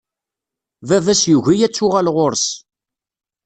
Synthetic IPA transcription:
vævæsjuʝijæt͡sːʊʁælʁoɾs

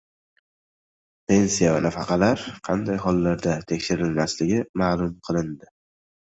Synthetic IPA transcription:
pʰe̞nsijavanafɑqʰɑlaɾqʰɑnd̪ajɦɒlˠːaɾd̪at̪ʰe̞kʲʃɪɾɪlmaslɪɡʲɪmaːlˠʊmqʰɨlˠɪnd̪ɪ

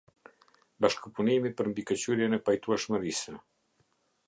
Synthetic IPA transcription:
baʃkəpunimipəɾmd̪ikət͡ɕyɾjɛnɛpajt̪uɛʃməɾisə

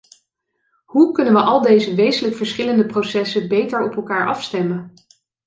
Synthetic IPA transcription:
ɦukɵnənʋəʔɑlˠdejzəʋejzənləkfəɹsχɪləndəprosɛsəbejtəɹɔpɛlˠkaːɹʔɑfstɛmən

